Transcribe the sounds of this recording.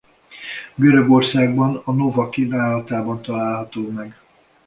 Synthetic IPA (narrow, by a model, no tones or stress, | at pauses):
ɡøɾøɡo̞rsaːɡbɒnɒnovɒkivaːlɒt̪aːbɒnt̪ɒlaːlɦɒt̪oːmɛɡ